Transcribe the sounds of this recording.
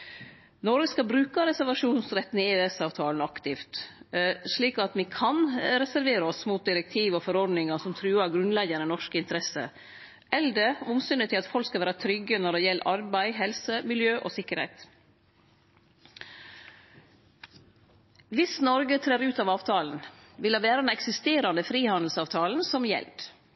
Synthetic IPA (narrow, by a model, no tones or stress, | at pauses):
nɔɾɡəskɑbɾʉːkɑɾɛsæɾʋɑʂuːnsɾɛt̪nɪŋɪøːɛsɑːʋt̪ʰɑːln̩ɑkt̪ɪft̪ | ʂɭiːkɑt̪ʋiːkʰɑnɾɛsæɾʋeːɾəɔsmuːt̪̚d̪ɪɾɛk̚t̪ʰiːʋɔfɔɾɔɖnɪŋɑsɔmt̪ʰɾʉːɑɾɡɾʉnlɛɡənənɔʂkəɪnt̪əɾɛsə̰ | ʔɛld̪əʊmsʏnət̪ʰɪlɑt̪fɔlkskɑʋæːɾɑt̪ʰɾʏɡənɔɖeːjɛləʔɑɾbæɪɦɛlsəmɪljøːʔoːsɪkːəɾhɛ̰ɪt̪ | ʋɪsnɔɾɡət̪ʰɾeːɾʉːt̪ɑːʋɑːʋt̪ʰɑːln̩ | ʋɪlɑʋæːɾəd̪ɛnɛksɪst̪eːɾɑnəfɾiːhɑnd̪l̩sɑːʋt̪ʰɑːln̩sɔmjɛ̰ld̪̥